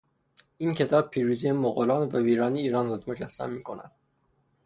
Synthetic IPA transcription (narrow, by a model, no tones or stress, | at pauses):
iːnkʰet̪ʰɒːb̚pʰiːɾuzijemoɣolɑːnvæviːɾɑːniːɾɑːnɾɔt̪mod͡ʒæsːæ̰mːiːkʰonæ̰d̪̥̚